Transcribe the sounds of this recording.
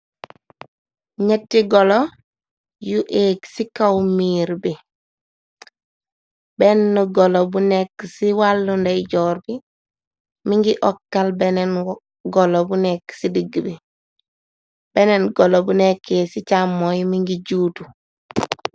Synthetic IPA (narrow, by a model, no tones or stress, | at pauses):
ɲetːiɡolo | juʔeːksikawmiːɾbi | benːuɡolobunekːsiwalːundeɟɔːɾbi | miŋɡiʔɔkːalbenen | ɡolobuneksidiɡːbi | b̥enenɡolobunekːesit͡ʃamːojmiŋɡiɟuːtu